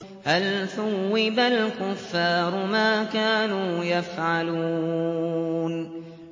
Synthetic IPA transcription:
halθʊwːɪbalkʊfːɑːɾˤʊmaːkaːnuːjafʕalu | n

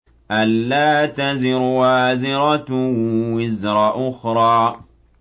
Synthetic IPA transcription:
ʔalːaːt̪azɪɾwaːzɪɾˤɑt̪wːɪzɾˤɑʔʊxɾˤɑː

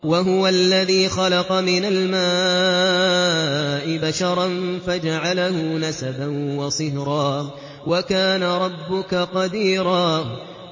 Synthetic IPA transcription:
waɦʊwalːaðiːxɑlɑqɑmɪnalmaː | ʔɪbaʃɑɾˤɑnfad͡ʒaʕalahʊnasabanwɑsˤɨhɾˤɑː | wakaːnaɾˤɑbːʊkaqɑd̪iːɾˤɑː

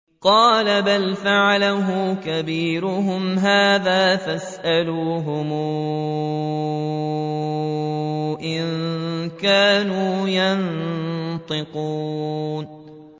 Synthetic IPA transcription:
qɑːlabalfaʕalaɦʊːkabiːɾʊɦʊmɦaːðaːfasʔaluːɦʊmː | ʔɪŋkaːnuːjan | t̪ˤɨquːn

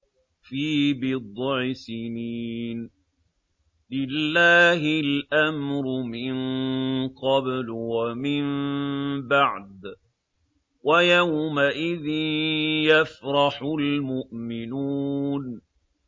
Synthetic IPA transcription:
fiːbɪd̪ˤʕɪsɪniːn | lɪlːaːɦɪlʔamɾʊmɪnqɑblwamɪm | baʕd̪ | wajawmaʔɪðɪnjafɾˤɑħʊlmʊʔmɪnuːn

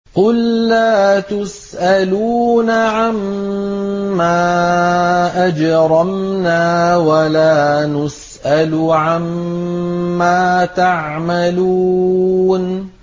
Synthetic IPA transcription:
qʊlːaːt̪ʊs | ʔaluːnaʕamː | aː | ʔad͡ʒɾˤɑmnaːwalaːnʊs | ʔalʕamː | aːt̪aʕmaluːn

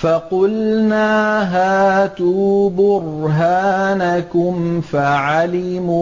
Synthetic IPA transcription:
fɑqʊlnaːɦaːt̪uːbʊɾrɦaːnakʊmfaʕalɪmuː

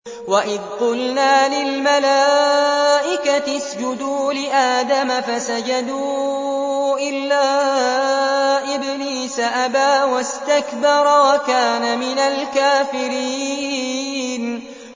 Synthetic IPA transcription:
waʔɪðqʊlnaːlɪlmalaː | ʔɪkaɪsd͡ʒʊd̪uːlɪʔaːd̪amafasad͡ʒad̪uː | ʔɪlːaː | ʔɪbniːsaʔabaːwast̪akbɑɾˤwakaːnamɪnalkaːfɪɾiː | n

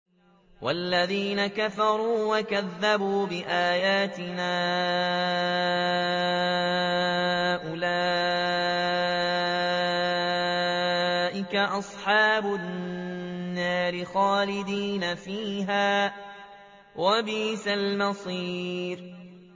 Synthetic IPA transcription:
walːaðiːnakafɑɾˤuːwakaðːabuːbɪʔaːjaːt̪ɪnaː | ʔʊlaː | ʔɪkaʔɑsˤħɑːbʊn | nːaːɾɪxɑːlɪd̪iːnafiːɦaː | wʔabiːsalmɑsˤiːɾ

